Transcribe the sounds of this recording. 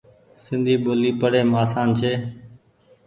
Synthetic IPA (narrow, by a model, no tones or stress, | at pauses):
sɪnd̪ʱiːɓoːliːpəɽeːmaːsaːnt͡ʃʰeː